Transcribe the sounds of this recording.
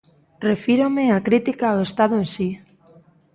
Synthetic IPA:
re̞fiɾomeakɾit̪ikaoest̪aðoensi

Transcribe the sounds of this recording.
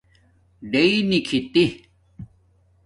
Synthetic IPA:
ɖeinikʰit̪i

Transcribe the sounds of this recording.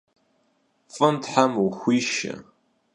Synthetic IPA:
fʼɨntħamwuxʷiːʃɐ̰

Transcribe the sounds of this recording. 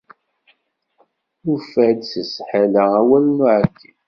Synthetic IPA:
nufæd̪səsħalææwælnuʕəɡi

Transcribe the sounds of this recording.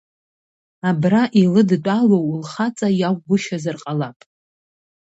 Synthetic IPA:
abraʔilɨdt͡pʷʼalowlχat͡sʼajaɡʷɡʷʊʃazɨrqʼalapʼ

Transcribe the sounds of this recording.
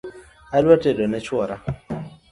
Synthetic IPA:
alwatedɔnɛt͡ʃwɔɾa

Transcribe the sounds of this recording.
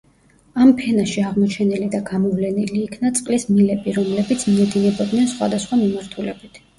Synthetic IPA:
ampʰɛnaʃiaʁmɔt͡ʃʰɛnilid̪aɡamɔvlɛniliːkʰnat̪sʼqʼlismilɛbiɾɔmlɛbit̪sʰmɛd̪inɛbɔd̪nɛnsχwa̰d̪asχwamimaɾt̪ʰulɛbit̪ʰ

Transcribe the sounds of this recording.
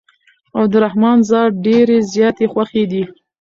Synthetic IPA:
awd̪əɾahmɑnzɑɖeɾezjɑt̪exwaxed̪i

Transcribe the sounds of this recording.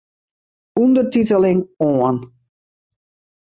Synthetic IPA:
undərtitəlɪŋoən

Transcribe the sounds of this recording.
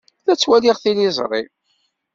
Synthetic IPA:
θæt͡sːwæliʁθilizˤɾˤḭ

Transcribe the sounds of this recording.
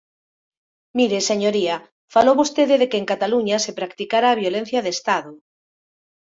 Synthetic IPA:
miɾeseɲoɾiɐ | falowβost̪eðɪðekeːŋkat̪aluɲasepɾakt̪ikaɾaːβjolen̟θjɐðest̪aðʊ

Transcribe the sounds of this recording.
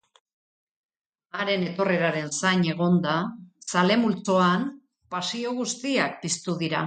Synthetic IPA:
aɾe̞ne̞t̪o̞re̞ɾaɾe̞nsaɲe̞ɣ̞o̞nd̪asale̞mult͡so̞an | pasio̞ɣust̪iak̚pist̪uðiɾa

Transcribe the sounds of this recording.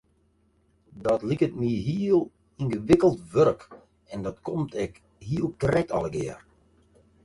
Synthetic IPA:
dɔtlikətmiɦiəlˠ | inɣəʋɪkəlˠtʋøɾək | ɛndɔtkʰomtʰɛk | ɦiəlˠkrɛtɑ̰lˠəɡɪ̰ər

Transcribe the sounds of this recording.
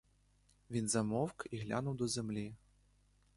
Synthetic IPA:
vʲinzɐmɔwkiɣlʲa̰nuwd̪ɔzʲɛmlʲi

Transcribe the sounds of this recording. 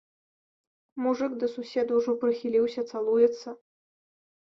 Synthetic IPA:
muʐɨɡd̪ɐsusʲed̪uwʐɔpɾɨxʲilʲiwsʲɐt̪salˠujɛt̪sːɐ

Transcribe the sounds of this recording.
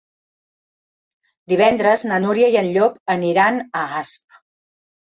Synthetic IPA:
d̪iβɛnd̪ɾəznənuɾjəjənʎopəniɾanəasp̚

